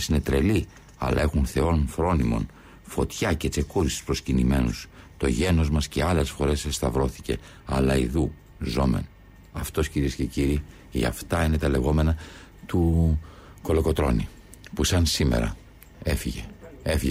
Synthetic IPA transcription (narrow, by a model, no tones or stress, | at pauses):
sine̞t̪ɾe̞̰li | ɐ̰lɐ̰e̞xunθe̞o̞nfɾo̞nimo̞̰n | fo̞t̪çɐce̞t͡se̞kuɾisi̥spɾo̞scinime̞nus | t̪o̞ʝe̞no̞zmɐsce̞ɐle̞sfo̞ɾe̞sest̪ɐvɾo̞θi̥ce̞ | ɐ̰lɐiðu | zo̞me̞̰n | ɐft̪o̞sciɾie̞sce̞ciɾi | ʝɐ̰ft̪ɐine̞t̪ɐle̞ɣo̞me̞nɐ | t̪u | ko̞lo̞ko̞t̪ɾo̞̰ni | pusɐnsimḛɾɐ̰ | efiʝḛefiʝe